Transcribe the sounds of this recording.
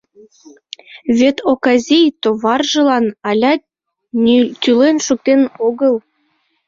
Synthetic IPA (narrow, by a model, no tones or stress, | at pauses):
βet̪ʰokɑzʲijt̪oβɑrʒə̆lɑnɑlʲɑ | t̪ʲylenʃuk̚t̪enoɣəlˠ